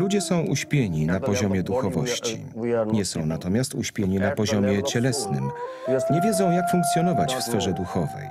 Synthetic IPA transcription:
lud͡ʑɛsɔ̃w̃ʔuɕpʲjeɲinapɔʑɔmʲjɛd̪uxɔvɔɕt͡ɕḭɲɛsɔ̃w̃nat̪ɔmʲjast̪uɕpʲjeɲinapɔʑɔmʲjɛt͡ɕɛlɛsnɘ̰m | ɲɛvʲjɛzɔ̃w̃jakfũŋkt̪sʲjɔnɔvat͡ɕfsfɛʐɛd̪uxɔvɛ̰j

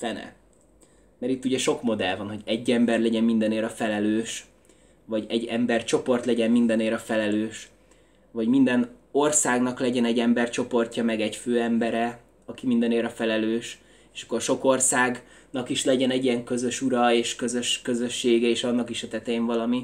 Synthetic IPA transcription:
fɛnɛ̰ | mɛɾit̪ːuɟɛʃo̞kmo̞d̪ɛlvɒnho̞ɟɛɟːɛmbɛrlɛɟɛmmind̪ɛneːɾɒfɛlɛløːʃ | vɒɟɛɟːɛmbɛrt͡ʃo̞po̞rt̪lɛɟɛmmind̪ɛneːɾɒfɛlɛløːʃ | vɒɟmind̪ɛno̞rsaːɡnɒklɛɟɛnɛɟɛmbɛrt͡ʃo̞po̞rcɒmɛɡɛɟføːɛmbɛɾɛ | ɒkimind̪ɛneːɾɒfɛlɛløːʃ | eːʃɒ̥kːo̞rʃo̞ko̞rsaːɡ | nɒkiʃlɛɟɛnɛɟiɛŋkø̞zø̞ʃuɾɒeːʃkø̞zø̞ʃkø̞zø̞ʃːeːɡɛeːʃɒnːɒkiʃɛt̪ɛt̪eːɱvɒlɒmi

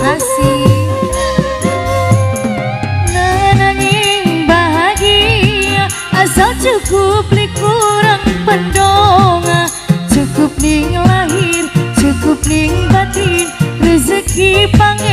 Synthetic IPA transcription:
asi | naɛnaŋiŋbaɦaɡia | ʔasald͡ʒukʊp̚likuɾaŋbəndɔŋat͡ʃukʊp̚liŋlaɦirt͡ʃukʊp̚liŋbad̪irrizik̚ipaŋ

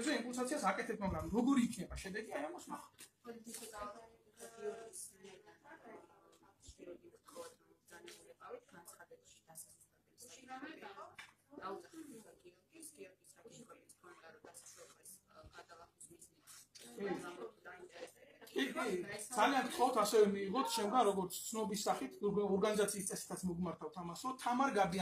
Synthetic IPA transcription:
bzɛĩmpʼulns̬at̪sʰiasakʼɛt̪ʰɛbsmaɡɾamɾɔɡɔɾiːkʰnɛbaʃɛd̪ɛɡiajamɔsmaχɔ | i | t̪ɔd̪aniaansad̪ɛbaʃi̥salɛɛ | aakʼ | aɔikʰɔd̪aɾd̪asaɛa | i | kʼikid̪zaliankt̪ʰχɔt̪ʰasɛvɛmiːʁɔt̪ʰʃɛmɡanɾɔɡɔɾt̪sʰt̪sʰnɔbisːaχit̪ʰɔɾɡanizat̪sʰiːst̪sʼɛsi̥t̪ʰat̪sʰmɔɡmaɾt̪ʰavt̪ʰamasɾɔt̪ʰamaɾɡabia

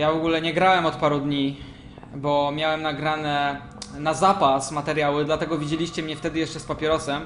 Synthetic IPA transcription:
javɔɡulɛɲɛɡɾawɛmɔt̪paɾud̪ɲi | bɔmʲjawɛmnaɡɾanɛ | nazapasmat̪ɛɾʲjawɘd̪lat̪ɛɡɔvʲid͡ʑelʲiɕt͡ɕɛmɲɛft̪ɛd̪ɘjɛʂt͡ʂɛspapʲɛɾɔsɛm

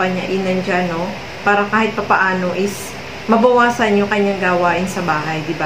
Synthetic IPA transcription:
ɐɲa̰ʔɪnɐnd͡ʒano | paːɾɐkaːhɪt̪̚pɐpɐʔaːno̞ʔɪs | mɐbɐwaːsɐnjʊŋkɐɲːaŋɡaːwaːʔɪnsɐbaːɦɐjd̪ɪba

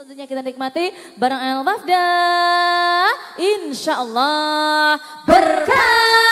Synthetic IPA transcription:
ut̪uɲakit̪anik̚mat̪i | baɾaŋaalbafda | ʔɪnʃaʔɔlːɑh | bərka

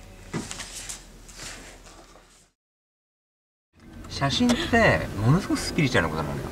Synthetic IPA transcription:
ɕaɕĩnt̪ːe̞mo̞no̞sɨ̥ɡokɯ̥sɨ̥pʲiɾʲit͡ɕaɾɯnakot̪amõ̰njo̰

